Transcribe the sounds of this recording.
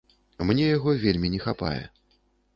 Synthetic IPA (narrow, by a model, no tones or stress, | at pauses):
mnʲɛjaɣɔvʲelʲmʲinʲɛxapa̰jɛ̰